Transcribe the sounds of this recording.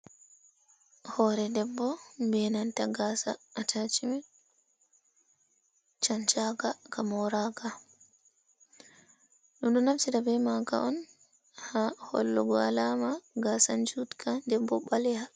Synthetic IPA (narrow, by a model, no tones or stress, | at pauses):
hɔɾɛdɛbːɔmbɛnantaɡaːsa̰ːtʰat͡ʃimɛ | t͡ʃant͡ʃaɡakamɔɾaɡa | ɗumɗɔnafsiɾabɛmaɡa̰ʔɔn | hahɔ̰lːɔɡɔalaːmaɡasand͡ʒutkʰandɛbːɔɓalɛha